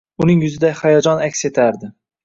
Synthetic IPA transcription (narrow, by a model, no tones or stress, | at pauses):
ʊnɪŋjʊzɪd̪ahajɒd͡ʒɒnakʲse̞t̪ʰaɾd̪ɪ